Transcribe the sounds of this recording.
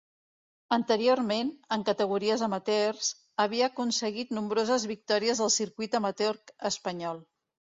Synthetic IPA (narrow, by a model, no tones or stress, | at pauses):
ənt̪əɾioɾmenəŋkət̪əɣ̞uɾiəzəmət̪ɛrz̥ | əβ̞iəːkunsəɣit̪numbɾozəzβik̚t̪ɔɾiəzðəlˠsiɾkwit̪əmət̪eɔɾkəspəɲɔlˠ